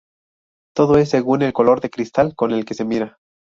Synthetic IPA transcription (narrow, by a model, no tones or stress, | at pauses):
t̪o̞ðo̞e̞s̬ːe̞ɣune̞lko̞lo̞ɾðe̞kɾist̪alko̞ne̞lke̞se̞miɾa